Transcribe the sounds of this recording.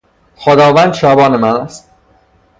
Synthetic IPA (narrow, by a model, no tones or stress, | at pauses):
xod̪ɒːvænd̪ʃɒːbɒːnemænæst̪̚